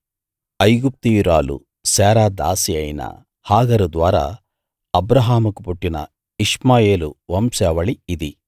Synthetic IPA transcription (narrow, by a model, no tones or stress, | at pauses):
ɐjɡup̚t̪ijuɾaːlṵ | sɛːɾaːd̪aːsiɐjnɐ̰ | haːɡɐɾud̪ʋaːɾa̰ː | ɐbɾɐɦaːmɐkupuʈːinɐ̰ | iʂmaːjeːluʋɐmsɛːʋɐɭiːd̪i